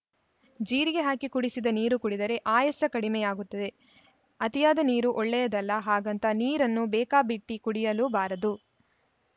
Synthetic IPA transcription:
d͡ʒiːɾiɡe̞ɦaːkikuɽisid̪ɐniːɾukuɽid̪ɐɾe̞ʔaːjɐsɐkɐɽimɛjaːɡut̪ːɐd̪e̞ | ɐt̪ijaːd̪ɐniːɾuʔɔɭːɛjɐd̪ɐlːɐɦaːɡɐnt̪ɐniːɾɐnːubɛːkaːbiʈːikuɽijɐluːbaːɾɐd̪u

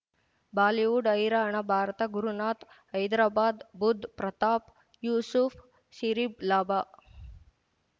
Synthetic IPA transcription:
baːliʋuɖɐjɾaɳɐbʱaːɾɐt̪ɐɡuɾunaːt̪ | ɐjd̪ɾaːbaːd̪bud̪ʱpɾɐt̪aːp | juːsufʰ | ʃiɾiblaːbaː

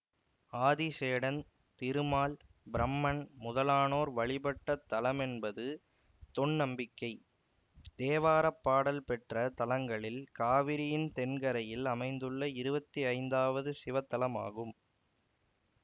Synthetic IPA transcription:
aːðiseːɽɐn | t̪ɪɾɯmaːl | bɪɾɐmːɐɳmʊðɐlaːnoːɾʋɐɭɪbɐʈːɐt̪ːɐlɐmɛnbɐðɯ | t̪ɔɳnɐmbɪkːɐɪ | t̪eːʋaːɾɐpːaːɽɐlpɛʈrɐt̪ɐlɐŋɡɐɭɪlkaːʋɪɾɪjɪnt̪ɛnɡɐɾɐjɪlɐmɐɪnd̪ɯɭːɐɪɾɯbɐt̪ːiɐɪnd̪aːʋɐðɯsɪʋɐt̪ːɐlɐma̰ːɣɯm

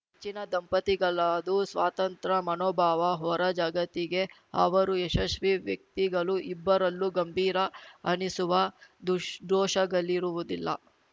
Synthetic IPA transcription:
ɦet͡ʃːinɐd̪ɐmpɐt̪iɡɐɭaːd̪usʋaːt̪ɐnt̪ɾɐmɐnoːbʱaːʋɐɦɔːɾɐd͡ʒaːɡɐt̪iɡe̞ɦɐ̰ʋɐɾueʃɐʃʋiʋjɐk̚t̪iɡɐɭuʔibːɐɾɐlːuɡɐmbʱiːɾɐɐnisuʋɐd̪ud̪ɔːʃɐɡɐlːiɾuʋud̪ilːɐ̰

